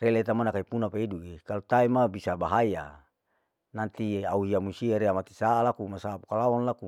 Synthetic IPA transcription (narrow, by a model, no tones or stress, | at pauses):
relet̪amanakaipunapaiduʔekalut̪aimabisabaɦaja̰ | nant̪iauiamusiaɾeamat̪i̥saalakumasaːpukalaɔnlaku